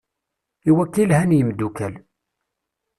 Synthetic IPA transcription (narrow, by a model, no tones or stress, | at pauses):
iwækːilhænjəmd̪ukæl